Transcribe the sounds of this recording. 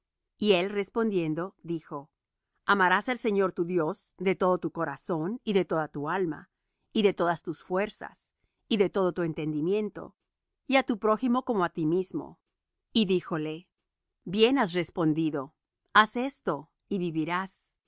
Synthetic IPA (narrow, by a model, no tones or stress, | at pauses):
ie̞lre̞spo̞nd̪je̞nd̪o̞ðixo̞ | amaɾaselse̞ɲo̞ɾt̪uðjo̞sd̪e̞t̪o̞ðot̪uko̞ɾaso̞niðe̞t̪o̞ðat̪ualma̰ | iðe̞t̪o̞ðast̪usfwe̞ɾsa̰s | iðe̞t̪o̞ðo̞t̪ue̞nt̪e̞nd̪imjẽ̞nt̪o̞̰ | iat̪upɾo̞ximo̞ko̞moat̪imizmo̞̰ | iðixo̞le̞ | bje̞nas̬re̞spo̞nd̪iðo̞ | ase̞st̪o̞ | iβiβiɾas